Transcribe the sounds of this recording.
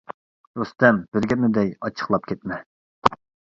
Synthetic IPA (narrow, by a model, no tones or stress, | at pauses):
d̪ost̪ɛmb̥ɪɾɡʲɛnɪd̪ɛjɑt͡ʃʰə̥χlˠɑp̚kʲʰɛt̪mɛ